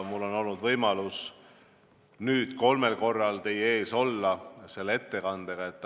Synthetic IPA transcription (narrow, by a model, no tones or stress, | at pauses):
mulːo̞no̞lnud̪vɤjmɑlus | nyːd̪̥ko̞lme̞lko̞rːɑlt̪e̞je̞ːso̞lːɑse̞lːee̞t̪ːe̞kɑnd̪̥eɡ̥ɑe̞t̪ː